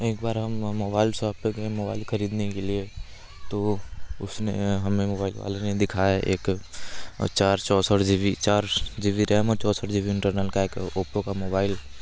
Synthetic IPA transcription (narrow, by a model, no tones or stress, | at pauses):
eːkbaːɾɦɐmːoːbaːɪlsaːbpeɡẽmoːba̰ːɪlxʰɐɾiːd̪nekelie | t̪oʊsneɦɐmẽmoːbaːɪlʋa̰ːlened̪ɪkʰaːɛʔḛːk | t͡ʃaːɾt͡ʃɔːsɔʈd͡ʒiːʋit͡ʃaːɾd͡ʒiːʋiɾɛɦmɔːɾt͡ʃɔːsəʈd͡ʒiːʋiɪ̃ɳʈəɾnəlkaeːkoːpokamoːbaːɪl